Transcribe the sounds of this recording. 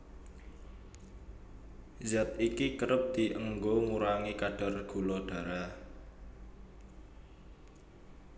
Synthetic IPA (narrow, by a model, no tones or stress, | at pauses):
zat̪̚ikikəɾəp̚d̪̥i̤ʔəŋɡoŋuɾaŋikaɖ̥a̤rɡ̥ṳlɔɖ̥a̤ɾa